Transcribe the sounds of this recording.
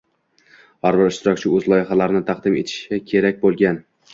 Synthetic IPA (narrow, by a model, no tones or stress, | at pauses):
hɒɾbɪɾɪʃt̪ɪɾɒkʲt͡ʃʰɪɵzlˠɒjɪχalaɾɪnɪt̪ʰɑqd̪ɪme̞̰t̪ʰɪ̥ʃakʲʰe̞ɾak̚ʲbolˠɡʲan